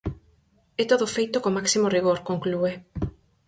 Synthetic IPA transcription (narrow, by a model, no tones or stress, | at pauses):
et̪oðofejt̪okomaksimoriɣ̞oɾkoŋklue